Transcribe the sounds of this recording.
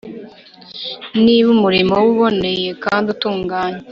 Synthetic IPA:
niβumuɾimowuβo̞ne̞je̞kaːndutuːŋɡaːɲe

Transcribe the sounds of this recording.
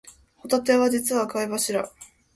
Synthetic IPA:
hot̪at̪e̞βad͡ʑit͡sɨβakaibaɕiɾa

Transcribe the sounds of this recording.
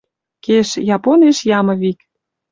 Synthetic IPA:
keʃjɑponeʃjɑmə̆βik

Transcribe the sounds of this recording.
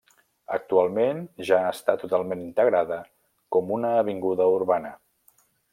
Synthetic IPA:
ə̰k̚t̪ualˠmenʒaːst̪at̪ːut̪alˠmenint̪əɣɾaðə | kɔmunəːβ̞iŋɡuðəuɾβanə

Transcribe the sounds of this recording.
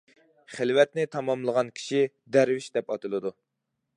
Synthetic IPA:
χɪlwɛt̪nɪt̪ʰɑmɑmlˠəʁɑnkʲʰi̥ʃi | d̪ɛɾwɪʃd̪ɛpɑt̪ʰɨlˠɨd̪u

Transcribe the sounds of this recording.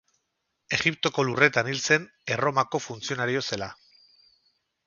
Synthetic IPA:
e̞ɣip̚t̪o̞ko̞lure̞t̪anilse̞n | e̞ro̞mako̞funt͡sio̞naɾio̞se̞la

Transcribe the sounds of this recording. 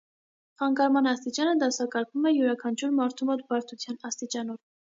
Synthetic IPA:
χɑŋkɑɾmɑnɑst̪it͡ʃɑnəd̪ɑsɑkɑɾkʰvumɛjuɾɑkʰɑnt͡ʃʰuɾmɑɾt̪ʰumɔt̪bɑɾt̪ʰut͡sʰjɑnɑst̪it͡ʃɑnɔv

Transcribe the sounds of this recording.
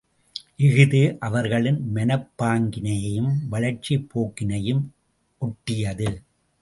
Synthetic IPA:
ʔɪɣɯðɯʔɐʋɐɾɣɐɭɪnmɛnɐpːaːŋɡɪnɐjjɯmʋɐɻɐɾt͡ʃːipʰːoːkːɪnɐjɯm | ʔʊʈːɪjɐðɯ

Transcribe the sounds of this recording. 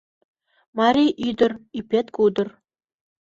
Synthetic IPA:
mɑɾʲijʔyd̪ɤ̆rypʲet̪kud̪ɤ̆r

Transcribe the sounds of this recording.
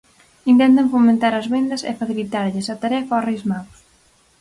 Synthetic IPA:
int̪ɛnt̪̬ɐŋfomẽnt̪aɾɐzβend̪ɐsɛ̰faθilit̪aɾʎɪsat̪aɾɛfɐɔrejzmaðʊs

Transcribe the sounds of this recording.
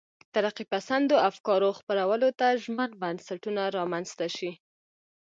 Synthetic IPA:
t̪aɾaqipasand̪oafkɑɾoxpəɾawəlot̪aʒmənbansaʈunaɾɑmanz̥t̪aʃi

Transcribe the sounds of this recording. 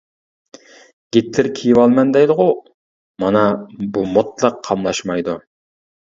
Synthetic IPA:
ɡ̥ʲet̪lɪɾkʲʰijiwɑlˠmɛnd̪ɛjlˠəʁʊ | mɑnɑbumot̪lˠəqʰːɑmlˠɑʃmɑjd̪u

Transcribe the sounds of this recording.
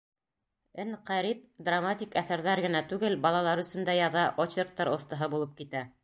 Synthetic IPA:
ɘnqæɾip̚d̪ramat̪ʲikæθæɾðæɾɡɘ̆næt̪ʉɡɘlbɑlˠɑlˠɑɾɵ̆sɵ̆nd̪æjɑðɑʔot͡ɕeɾk̚t̪ɑɾŏst̪ɤ̆ɦɤbulˠɤp̚kit̪æ

